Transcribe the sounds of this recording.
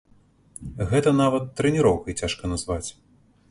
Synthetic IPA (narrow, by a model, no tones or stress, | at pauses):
ɣɛt̪ɐnavɐt̪ːɾɛnʲiɾɔwkɐit͡sʲaʂkɐnɐzvat͡sʲ